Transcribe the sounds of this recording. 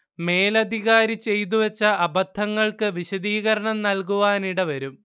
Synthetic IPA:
me̞ːlɐd̪ʱiɣaːɾit͡ɕːe̞jt̪̬uʋet͡ɕːɐʔɐbɐt̪ʰːɐŋːɐɭkɨʋiɕɐd̪iːɣɐɾɐɳɐmnɐlkuʋaːniɽeʋɐɾum

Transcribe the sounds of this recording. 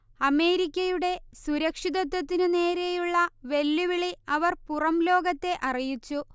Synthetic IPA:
ɐme̞ːɾikʲːɐjuɽe̞suɾɐkʂiðɐt̪ːɐt̪ːinɨne̞ːɾe̞juɭːɐʋe̞lːuʋiɭiɐʋɐrpurɐmlo̞ːɡɐt̪ːe̞ʔɐrijit͡ɕːu

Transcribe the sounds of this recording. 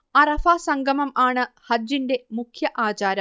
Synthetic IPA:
ɐrɐfaːsɐŋɡʱɐmɐmaːɳɨhɐd͡ʑinde̞mukʰjɐʔaːt͡ɕaːɾɐm

